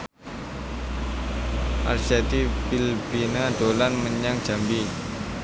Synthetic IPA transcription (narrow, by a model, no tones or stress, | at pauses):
ʔa̰lsɛt̪ipilpinad̪̥olanməɲaŋ̥d͡ʒ̥a̤mbi